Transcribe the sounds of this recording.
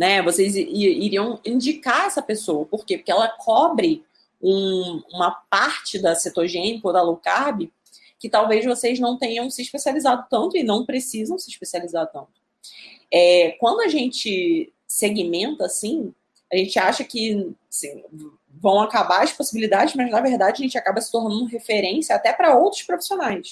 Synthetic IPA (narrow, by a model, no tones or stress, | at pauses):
nɛvosejziiɾiɐ̃w̃ĩnd͡ʒikaɛsɐpesowɐpoɾkepo̥kʲɪɛlɐkʰɔbɾɪ | ũũmɐpaɾt͡ʃɪd̪ɐset̪oʒẽnɪkod̪ɐlokabɪ | kɪt̪awvejzvosejznɐ̃w̃t̪ẽɲɐ̃w̃sɪiʃpesializad̪ʊt̪ɐ̃nt̪ʊɪnɐ̃w̃pɾesizɐ̃w̃sɪiʃpesializaɾt̪ɐ̃nt̪ʊ̥ | ɛkwɐ̃nd̪ʊaʒẽnt͡ʃɪ | seɡimẽnt̪ɐːsĩ | aʒẽnt͡ʃɪaʃɐkɪasĩ | vɐ̃w̃akabaɐʃposibilid̪ad͡ʒɪzmɐznɐveɾd̪ad͡ʒɪɐʒẽnt͡ʃakabɐsɪ̥t̪oɾnɐ̃nd̪ʊɦefeɾẽsjɐːt̪ɛpɾɐowt̪ɾʊʃpɾofi̥sionajs